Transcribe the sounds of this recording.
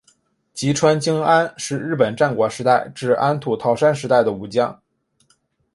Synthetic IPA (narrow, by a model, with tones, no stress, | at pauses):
t͡ɕi˧˥ʈ͡ʂʰwa˥nt͡ɕi˥ŋa˥nʂɻ̩˥˧ɻɻ̩˥˩pə˨˩nʈ͡ʂa˥˩nkwɔ˧˥ʂɻ̩˧˥t̪a˥˩ɪʈ͡ʂɻ̩˥˩a˥nt̪ʰu˨˩t̪ʰɑ˥˩ʊʂa˥nʂ̬ɻ̩˧˥t̪a˥˩ɪd̪ə˩u˧˩t͡ɕjɑ˥˩ŋ